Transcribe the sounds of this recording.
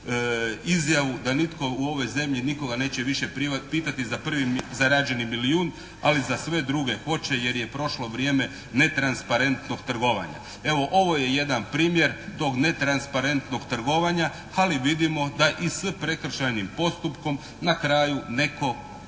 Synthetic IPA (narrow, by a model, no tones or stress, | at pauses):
izjaʋud̪anit̪ko̞uo̞ʋo̞jze̞mʎiniko̞ɡane̞ːt͡ɕeʋiʃeppiːt̪at̪izapr̩ʋizaɾaːd͡ʒe̞nimilijuːn | alizasʋe̞d̪ɾuɡe̞xo̞t͡ɕe̞je̞ɾjepɾo̞ʃlo̞ʋɾʲje̞ːme̞ | ne̞t̪ɾanspaɾe̞nt̪no̞ɡ̥t̪r̩ɡo̞ʋa̰ɲa̰ | e̞ʋo̞ʔo̞ʋo̞jeje̞d̪anpɾiːmje̞ɾt̪o̞ːɡne̞t̪ɾanspaɾe̞nt̪no̞ɡ̥t̪r̩ɡo̞ʋaɲa | aliʋid̪imo̞d̪aʔisəpɾe̞kr̩ʃajnimpo̞st̪upko̞m | nakɾaːjune̞ko̞